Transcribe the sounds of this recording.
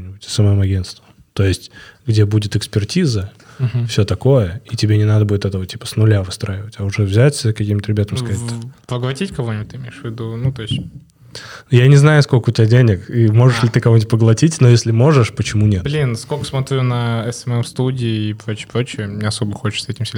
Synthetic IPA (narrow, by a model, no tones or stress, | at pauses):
mnʲɪbʊtʲɐ̥səmɐjomɐɡʲe̞nst̪və | t̪o̞jɪsʲtʲɡdʲebudʲɪt̪ɨkspʲɪrtʲizə | ɦ̩fsʲɵt̪ɐko̞jəitʲɪbʲenʲɪnad̪əbudɪt̪ɛt̪əvətʲipə̥snʊlʲavɨst̪ɾaɪvətʲɐʊʐɛvzʲætʲsʲɪakɐkʲimt̪əɾʲɪbʲat̪əmskɐzatt̪apəɡlˠɐtʲitʲkɐvonʲɪbut̪̚ʲɨɪmʲejɪʂvʲɪd̪unut̪o̞ɪsʲtʲ | janʲɪznajʊskolʲkəʊtʲɪbadʲenʲɪkimo̞ʐɨʂlʲɪt̪ɨkɐvotʲpəɡlˠɐtʲitʲnojesʲlʲɪmo̞ʐɨʂpət͡ɕɪmunʲet̪blʲinskokə̥smɐt̪ɾʲunəɛsɛmɛmst̪udʲɪːpɾot͡ɕɪjəpɾot͡ɕɪəmɲʲeɐso̞bəxot͡ɕɪ̥sɛtʲɪmsʲ